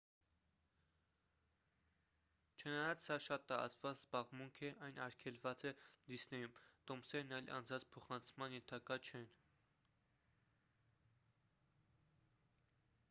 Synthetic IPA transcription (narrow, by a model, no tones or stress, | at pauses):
t͡ʃʰənɑjɑt͡ssɑʃɑt̪ːɑɾɑ̰t͡svɑt͡szbɑʁmuŋkʰɛʔɑjnɑɾkʰɛlvɑt͡sɛd̪isnɛjumt̪ɔmsɛɾnɑjlʔɑ̰nd͡zɑnt͡spʰɔχɑnt͡sʰmɑnjɛnt̪ʰɑkɑt͡ʃʰɛn